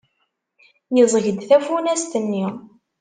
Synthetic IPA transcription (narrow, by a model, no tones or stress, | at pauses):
jəzˤəʝəd̪θæfunæst̪ənːi